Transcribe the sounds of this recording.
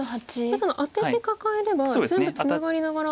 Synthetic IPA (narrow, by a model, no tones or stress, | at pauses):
hat͡ɕisonoʔat̪ːet̪ːe̞kakaeɾe̞bazzembbɯ̟t͡sɨnaɡaɾʲinaɡoɾa